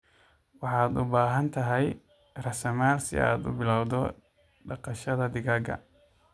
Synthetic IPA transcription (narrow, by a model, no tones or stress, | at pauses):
wɑħɑːd̪ʊbaːɦɐnt̪ʰɐɦɛj | rɐsɐmaːlsɪ̰ʔa̰ːd̪ʊ̰bɪlawd̪ɔ | ɖɑqɑʃɐðɐd̪ɪɣaːɡɐ̰